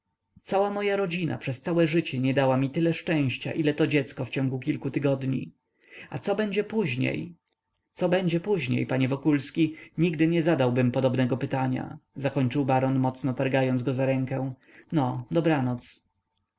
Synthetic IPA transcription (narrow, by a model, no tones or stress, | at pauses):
t̪sawamɔjaɾɔd͡ʑina̰pʂɛst̪sawɛʐɘt͡ɕɛɲɛd̪awamʲit̪ɘlɛʂt͡ʂɛ̃w̃ɕt͡ɕa̰ʔilɛt̪ɔd͡ʑɛt̪skɔft͡ɕɔ̃ŋɡuk̬ʲilkut̪ɘɡɔd̪ɲḭ | at̪sɔbɛɲd͡ʑɛpuʑɲḛj | t̪sɔbɛɲd͡ʑɛpuʑɲḛjpaɲɛvɔkulskʲiɲiɡd̪ɘɲɛzad̪awbɘmpɔd̪ɔbnɛɡɔpɘt̪aɲa̰zakɔɲt͡ʂɘwbaɾɔnmɔt̪snɔt̪aɾɡajɔnzɡɔzaɾɛŋkɛ̃w̃ | nɔd̪ɔbɾanɔt̪s